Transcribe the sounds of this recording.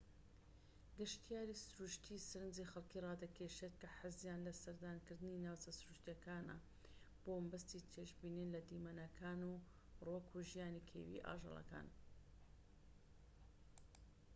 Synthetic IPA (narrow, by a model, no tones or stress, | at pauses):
ɡɨʃt̪ʰijaːɾisʊɾuʃt̪ʰisɨɾɨnd͡zixɐlˠkirɑːd̪ɐkʰeʃet̪̚kɐħazjaːnlɐsɐɾd̪aːnkɨɾd̪ɨninaːwt͡sʰɐsʊɾuʃt̪ijɐkaːnɐ̰ | b̥oːmbɐst̪it̪ʰeːʃbiːninlɐd̪imanɐkʰaːnu | roːkʰuʒijaːnikʰḛwḭʔa̰ːʒḛlˠɐ̰ka̰ːn